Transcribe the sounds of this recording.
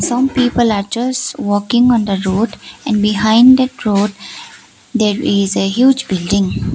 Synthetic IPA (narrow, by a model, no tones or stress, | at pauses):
sʌ̃mpiːpəlaɾd͡ʒʌsʈʋɔːkɪ̃ŋɔ̃nd̪əɾoːɖɛ̃ɳɖbɪɦãɪ̃ɳɖd̪ɛʈɾoːɖ | d̪eːɾɪzəɦjuːd͡ʒbɪlɖɪ̃ŋ